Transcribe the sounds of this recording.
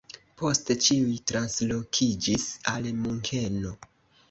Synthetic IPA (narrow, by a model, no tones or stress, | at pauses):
po̞stet͡ʃiujtɾanslo̞kʰid͡ʒisalmuŋkʰe̞no̞